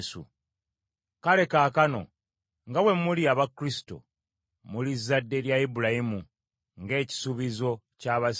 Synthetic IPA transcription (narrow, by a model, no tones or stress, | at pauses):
sṵ | kale̞kaːkano̰ | ŋɡawe̞muliaβakɾisi̥to̞̰ | mulizːadːe̞ljaibulajimu | ŋɡe̞ːci̥suβizo̞ | caːβas